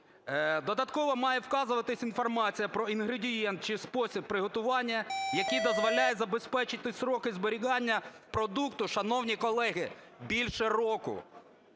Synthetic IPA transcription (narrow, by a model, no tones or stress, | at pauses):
d̪ɔd̪ɐt̪kɔʋɔmɑjɛwkɑzʊʋɐt̪ɪsʲinfɔrmɑt͡sʲijɐpɾɔinɦɾedʲijɛnt̪̚t͡ʃɪspɔsʲib̚pːɾɪɦɔt̪ʊʋɑnʲːɐjɐkijd̪ɔzʋɔlʲajɛzɐbespɛt͡ʃɪt̪ɪsɾɔkɪzbɔɾʲiɦɑnʲːɐ | pɾɔd̪ukt̪ʊʃɐnɔwnʲikɔlˠɛɦɪ | bʲilʲʃɛrɔkʊ̰